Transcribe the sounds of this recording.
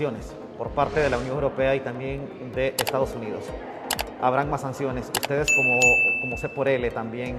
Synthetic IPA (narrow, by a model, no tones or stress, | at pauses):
jo̞ne̞s | po̞ɾpaɾt̪e̞ð̞e̞launjoŋewɾo̞pe̞ait̪ambje̞n | d̪e̞ʔest̪að̞o̞suniðo̞̰s | aβ̞ɾaŋmasansjo̞ne̞sust̪e̞ð̞e̞skomoko̞mo̞se̞po̞ɾe̞le̞t̪ambje̞ŋ